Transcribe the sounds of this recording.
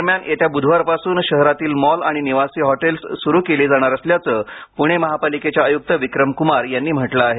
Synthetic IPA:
ɾmjanet̪ʰjabud̪ʱʋaɾpasuːnɕəɦɾat̪iːlmɔlaɽ̃iniʋasiːɦɔʈelssuɾuːkeled͡zaɽ̃aɾəsljat͡səːpuɽ̃eməɦapaliket͡ɕjaəjuk̚t̪əʋikɾəmkumaɾjanːiːm̤əʈlaːɦe

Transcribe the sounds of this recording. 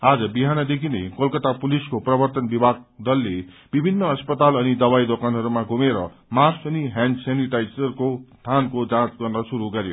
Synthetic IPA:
ad͡zʌbiɦanʌd̪ekʰinḛkʌlkʌt̪apuliskoprʌbʌrt̪ʌnbibʱaɡ̚d̪ʌlːe | b̥ibʱinːʌʌspʌt̪alʌnid̪ʌbajd̪okanɦʌɾumaɡʱumeɾʌ | marsʌniɦansaniʈajsʌrkost̪ʰankod͡zãt͡sɡʌrnʌsuɾuɡʌɾjo̰

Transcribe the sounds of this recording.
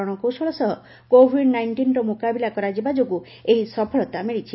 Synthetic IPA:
ɔɽ̃ɔkowsɔɭɔsɔɦɔ | kobʱiɖnajɳʈinɾɔmukabilakɔɾad͡ʒibad͡ʒoku | eɦisɔpʰɔɭɔt̪amiɭit͡ʃʰi

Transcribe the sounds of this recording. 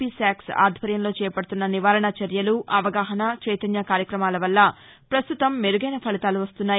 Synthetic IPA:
isaːksa̰ːd̪ʱʋɐɾjɐmlo̞ːt͡ʃɛːjɐpɐɽut̪unːɐniʋaːɾɐɳɐt͡ʃɐɾjɐluʔɐʋɐɡaːɦɐnɐt͡ʃɐjt̪ɐnjɐkaːɾjɐkɾɐmaːlɐʋɐlːɐ | pɾɐst̪ut̪ɐmːeɾuɡɐjnɐpʰɐlit̪aːluʋɐst̪unːaː

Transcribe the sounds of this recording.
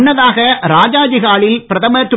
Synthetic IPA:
nːɐðaːɣɐɾaːd͡ʒaːd͡ʒiɣaːɭɪlpɪɾɐðɐmɐɐt̪ː

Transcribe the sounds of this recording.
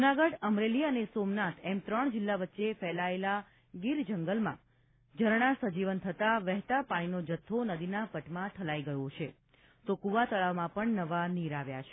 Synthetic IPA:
d͡ʒunaɡəɽəmɾeliənesomnat̪ʰɛmt̪ɾəɳd͡ʒɪlːaʋətːʃefɛlaela | ɡiɾd͡ʒəŋɡəlmã̰ | d͡ʒʱəɾɳ̃asəd͡ʒiʋənt̪ʰət̪aʋɛɦt̪apaɽ̃inod͡ʒət̪ʰːonəd̪inapəʈmãt̪ʰəlaiɡəjõt͡ʃʰe | t̪okuʋat̪əɭaʋmãpəɳnəʋaniɾaʋja̰t͡ʃʰe̥

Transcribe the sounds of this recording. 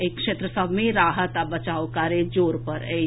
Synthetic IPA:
ekkʃeːt̪ɾəsəbʱmẽɾaːɦət̪abət͡ʃaːokaːɾed͡ʒoːɾpəɾe

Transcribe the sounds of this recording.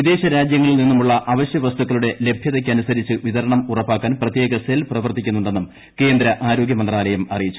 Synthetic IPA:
ʋid̪e̞ːɕɐɾaːd͡ʑjɐŋːɐɭilninːumuɭːɐʔɐʋɐɕjɐʋɐst̪ukɣːɐɭuɽe̞le̞bʱjɐðɐkʲːɐnusɐɾit͡ɕːɨʋiðɐɾɐɳɐmurɐpːaːkːaːnprɐt̪je̞ːɡɐselprɐʋɐrt̪ikʲːunːuɳɖe̞nːum | ke̞ːnd̪ɾɐʔaːɾo̞ːɡjɐmɐnd̪raːlɐjumɐrijit͡ɕːu̥

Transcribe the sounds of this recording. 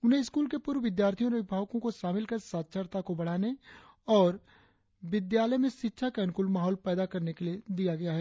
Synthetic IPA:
ʊnɦẽɪskuːlkepuːɾʋɪd̪jaːɾt̪ʰijõɾeʋɪbʱaːʋkõkoʃaːmɪlkɐɾsaːt̪ʃʰəɾt̪akobɐɽ̤aːne | ɔːɾ | ʋɪd̪jaːləjmẽʃɪtːʃʰakankʊlmaːɦɔːlpɛːd̪akɐɾnekelied̪ijaɡɐjaɦɛː

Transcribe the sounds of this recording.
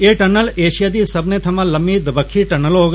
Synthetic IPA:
eʈənəleːʃijad̪isɐbnet̪ʰɐmãlɐmːid̪bəkʰːiʈənəloɡ

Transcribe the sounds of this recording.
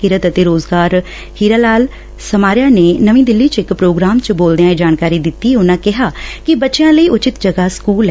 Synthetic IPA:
kɪɾət̪ət̪eːɾoːzɡaːɾ | hiːɾaːlaːl | səmaːɾɪjaːneːnəʋĩːd̪ɪlːiːt͡ʃɪkpɾoːɡɾaːmt͡ʃəboːld̪ejãːid͡ʒaːnkaːɾiːd̪ɪt̪ːiːʊnãːkɪɦaːkɪbətːʃejãːləiːʔʊt͡ʃɪt̪d͡ʒəɡaːskuːlɛ

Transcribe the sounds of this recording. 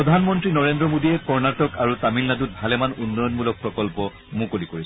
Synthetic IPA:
ɹɔdʱanmɔntɹinɔɹendɹɔmodijɛkɔɹnatɔkaɹutamilnadut̚bʱalɛmanunːɔjɔnmulɔk̚pɹɔkɔlpɔ | mũkolikoɹisɛ̥

